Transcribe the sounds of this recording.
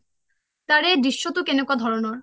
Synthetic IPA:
t̪aɾed̪ɾiʃːot̪ukenokad̪ʱɔɾonoɾ

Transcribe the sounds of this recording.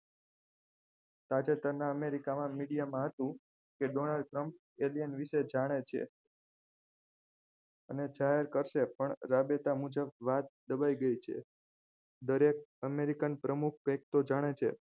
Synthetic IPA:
t̪at͡ʃet̪əɾnaəmeɾikamãmiɽijamãɦət̪ũ | keɖonalɖ̚ʈɾəmp̚ | elijənʋiʃed͡ʒaɽ̃et͡ʃʰḛ | əned͡ʒaɦeɾkəɾʃepəɳɾabet̪amud͡ʒəbʋat̪̚d̪əbaiɡəit͡ʃʰḛ | d̪əɾek̚əmeɾikənpɾəmuk̚ʰkəjk̚t̪od͡ʒaɽ̃et͡ʃʰḛ

